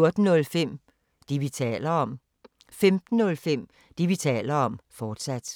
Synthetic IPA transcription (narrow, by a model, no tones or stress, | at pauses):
oɐd̥n̩nːɔ̽lfem̰ | d̥iʋit͡sʰɛ̰ːlɐɒm̰ | femd̥n̩ːɔ̽lfem̰ | d̥iʋit͡sʰɛ̰ːlɐɒ̽mfɒːd̥sæd̥